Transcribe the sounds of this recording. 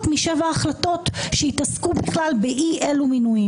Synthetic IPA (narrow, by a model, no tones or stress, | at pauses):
tmiʃevaːχlato̞tʃehitaskubiχlalbeʔiʔeluminuji